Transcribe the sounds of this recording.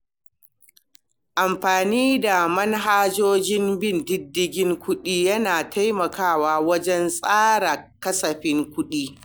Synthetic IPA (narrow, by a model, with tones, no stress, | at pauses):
ʔa˨mɸaː˨niː˦da˨mɐ˦nɦaː˦d͡ʒoː˦d͡ʒɪ˦mbɪ˦˨ndɪ˦dːɪ˦ɡʲɪ˦ŋkʷʊ˦ɗiː˦jɐ˦naː˨tʰa˦jmɐ˨kaː˦˨waː˦wɐ˦d͡ʒɛ˦nsʼaː˦ɽa˨kɐ˦sɐ˨ɸɪ˦ŋkʷʊ˦ɗiː˦